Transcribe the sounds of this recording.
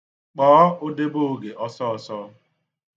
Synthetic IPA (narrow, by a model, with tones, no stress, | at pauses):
k͡pɔː˨˦ʊ˦de˦bʊ˦˨ɡe˨ʔɔ˦sɔ˦˨sɔ˦